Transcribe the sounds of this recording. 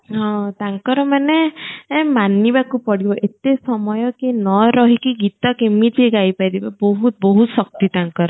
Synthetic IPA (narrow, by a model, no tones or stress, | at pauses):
ɦɔ̃t̪aŋkɔɾɔmane | manibakupɔɽibɔʔet̪esɔmɔjɔkinɔɾɔɦikiɡit̪ɔkemit̪ʰiɡajpajd̪ibɔbɔɦut̪̚bɔɦut̪sɔk̚t̪it̪aŋkɔɾɔ